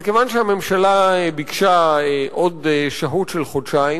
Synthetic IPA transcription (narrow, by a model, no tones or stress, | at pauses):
kevanʃeame̞mʃalabikʃaeʔod̪ʃaɦutʃelχodʃai